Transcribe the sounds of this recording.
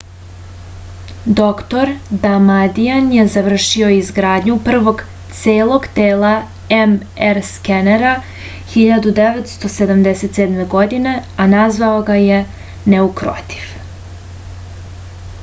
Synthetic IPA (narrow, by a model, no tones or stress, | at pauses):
d̪o̞kt̪o̞ɾd̪amad̪ianjezaʋr̩ʃio̞izɡɾaːd̪ɲupr̩ʋo̞ɡ | t̪seːlˠo̞ɡt̪eːlˠa | em | eɾskeneɾa | xiʎad̪ud̪eʋet̪st̪o̞se̞d̪amd̪ese̞t̪seːd̪me̞ɡo̞d̪ine̞anazʋao̞ɡaje | ne̞ukɾo̰t̪ʰi̥ʋ